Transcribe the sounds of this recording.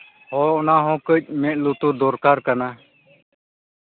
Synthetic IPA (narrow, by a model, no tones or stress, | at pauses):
hoːʊnãːɦõːkəʄ̚mẽʔluːt̪uːd̪oːɾkaːɾkənaː